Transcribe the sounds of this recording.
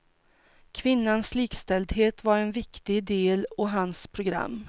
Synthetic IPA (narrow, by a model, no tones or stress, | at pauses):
kʰvɪnːansliːkst̪ɛld̪ɦeːt̪vaɾɛnvɪkt̪ɪd̪eːlɔɦanspʰɾʊɡɾa̰mː